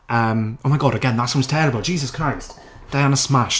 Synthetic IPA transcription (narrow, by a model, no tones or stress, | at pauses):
ʔəmoʊmaɪɡɔɾəɡɛ̃nðatsɔ̃mz̥tʰɛɹəbəl̩ˠd̥d͡ʒiːzəskʰɹ̥aɪst | d̥eə̃nəsmaʃ